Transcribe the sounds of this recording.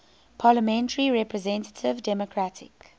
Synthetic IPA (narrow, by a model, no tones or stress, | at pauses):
pʰɑːləmɛ̃ntəɹiɹɛpɹəzɛ̃ntə̥tʰɪvdɛmɔkʰɹatʰɪ̰k